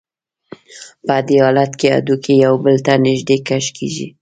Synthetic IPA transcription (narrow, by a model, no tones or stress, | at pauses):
pəd̪eɑlat̪kea̰d̪ukʰejawbəlt̪anɪʒd̪ekaʃkʰḭʒḭ